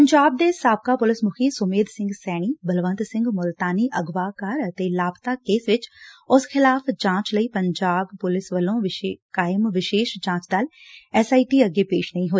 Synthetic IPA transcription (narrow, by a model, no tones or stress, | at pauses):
əɲd͡ʒaːb̚d̪eːsaːb̚kaːpʊlɪsmʊkʰiːsʊmeːd̪sɪ̃ŋɡsɛːɽ̃iːbəlʋə̃nt̪sɪ̃ŋɡmʊlt̪aːniːʔəɡʋaːkaɾət̪eːlaːbt̪aːkeːsʋɪt͡ʃʊsxɪlaːpʰd͡ʒãːt͡ʃləiːpəɲd͡ʒaːbpʊlɪsʋəlõːʋɪkaːɪmʋɪʃeːʃd͡ʒãːt͡ʃd̪aːl | ɛsaːiːʈiːəɡeːpeːʃnəĩːɦoːeː